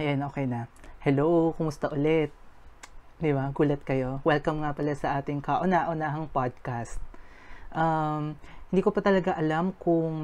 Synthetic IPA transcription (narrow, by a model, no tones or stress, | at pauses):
jajnoːkɛjnɐhɛlowkʊmʊst̪ɐʔʊlɛt̪̚ | d̪ɪbaɡuːlɐt̪̚kɐjo̞wɛlkɐmŋapɐlasɐʔaːt̪ɪŋkɐʔʊnaʔonaɦɐŋpad̪̚kast̪̚ | ʔamhɪnd̪iːkopɐt̪ɐlɐɡaʔɐlamkʊŋ